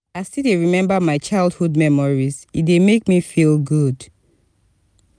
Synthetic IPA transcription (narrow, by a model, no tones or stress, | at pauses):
astideɹimɛ̃mbamaɪt͡ʃaɪldhudmɛmɔɹizidemekmifilɡud